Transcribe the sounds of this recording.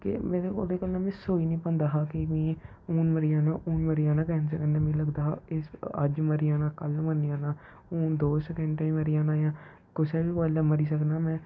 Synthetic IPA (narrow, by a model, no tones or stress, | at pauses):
kḛmẽːɾeo̰d̪eːkəlːãːmɛ̃ːsoːiːnĩːpənd̪aːɦãːkemĩː | uːnməɾiaːnaːʔuːnməɾijaːnãːkɛːnsəkənːãːmẽːləɡd̪aːɦa̰ːɪsə̰d͡ʒməɾɪjaːnaːkəlmənjaːnaː | uːnd̪oːsɛːkə̃ɳɖʈaĩməɾijãːnaːjãː | kʊseːbiːʋəːlaːməɾiːsəknaːmɛ̃ː